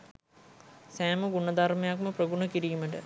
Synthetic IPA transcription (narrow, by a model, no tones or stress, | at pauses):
sæːmɐɡuɳɐd̪armejakmɐprɐɡuɳɐkiɾijumɐʈə̰